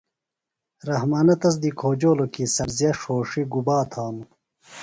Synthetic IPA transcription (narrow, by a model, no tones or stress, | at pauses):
ɾɐɦmaːnɐt̪ɐs̬d̪ikʰoːd͡ʑoːlokisɐɾzijɐʂoːʂiɡubaːt̪ʰaːmu